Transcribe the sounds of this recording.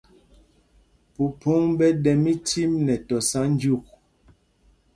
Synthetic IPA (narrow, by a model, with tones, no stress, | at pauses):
pu˨pʰo˦ŋbɛ˦dɛ˨mi˦ti˦mnɛ˨tɔ˨sa˦n˦d͡ʒu˦˨k̚